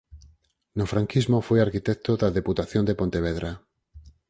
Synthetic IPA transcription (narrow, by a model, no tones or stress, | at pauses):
nofɾaŋkizmofwojaɾkit̪ek̚t̪oðaðeput̪aθjond̪epont̪eβ̞eðɾʔa